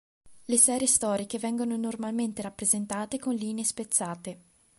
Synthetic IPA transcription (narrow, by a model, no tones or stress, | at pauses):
lesɛːɾjest̪ɔːɾikevɛŋɡononormalment̪eɾapːɾezent̪aːt̪ekonliːneːspet̪sːaːt̪e